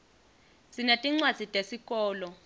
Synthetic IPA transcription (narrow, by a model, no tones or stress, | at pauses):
sinatʼiŋ͡ǀwad̥z̥ʱitʼesikʼɔːlɔ